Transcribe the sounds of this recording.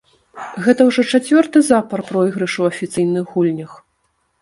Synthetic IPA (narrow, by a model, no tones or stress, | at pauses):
ɣɛt̪ɐwʐɔt͡ʂat͡sʲvʲɔrt̪ɨzapɐrpɾɔjɣɾɨʂɐwɐfʲit̪sɨjnɨɣɣulʲnʲɐx